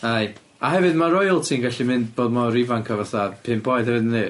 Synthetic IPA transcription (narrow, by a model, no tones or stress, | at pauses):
aj | aɦɛvɨdmaɾɔjlˠtʰiːnɡaɬimɨndboːdmɔɾɪvankʰavaθadpʰɨːnboɨd̥hɛvɨdənðɨː